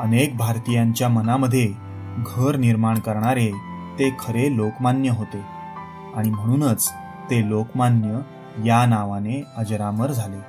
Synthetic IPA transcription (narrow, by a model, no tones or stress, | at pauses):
ənek̚bʱaɾt̪ijaɲt͡ɕjamənaməd̪ʱːje | ɡʱəɾniɾmaɳkəɾɳaɾet̪ekʰəɾelokmanjəɦot̪e | aɽ̃im̤əɽ̃uːnət͡s | t̪elokmanjə | janaʋaneəd͡ʑɾaməɾd͡zʱale